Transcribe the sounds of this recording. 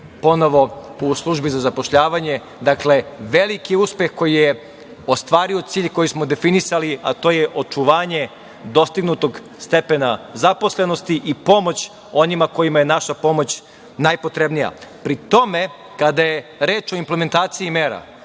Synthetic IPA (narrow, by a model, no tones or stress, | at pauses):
po̞no̞ʋo̞uslˠuʒbizazapo̞ʃʎaːʋaɲe̞ | d̪akle̞ʋelikiuspje̞xko̞jije | o̞st̪ʋaːɾio̞t̪siːʎko̞jismo̞d̪e̞finisaliʔa̰t̪o̞jeʔo̞t͡ʃuʋaːɲe̞ | d̪o̞st̪iɡnut̪o̞ɡ | st̪e̞penazapo̞sle̞no̞st̪iʔipo̞mo̞t͡ɕ | o̞nimako̞jimajenaʃapo̞mo̞t͡ɕ | najpo̞t̪ɾe̞bnija̰pɾit̪o̞me̞ | kad̪ajeɾeːt͡ʃo̞imple̞me̞nt̪aːt̪siimeːɾa̰